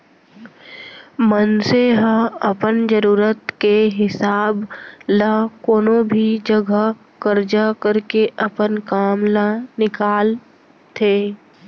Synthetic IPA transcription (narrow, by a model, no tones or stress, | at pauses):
mənseɦə̃ɐpənd͡ʒəɾuːɾət̪keɦɪsaːblakoːnobʱid͡ʒəɡʱə | kəɾd͡ʒakəɾkeʔɐpənkaːmlanɪkaːl | t̪ʰeː